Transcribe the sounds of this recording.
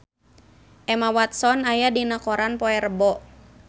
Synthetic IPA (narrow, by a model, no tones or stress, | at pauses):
ʔɛmawat̪sɔnajadinakɔɾanpɔɛrbɔ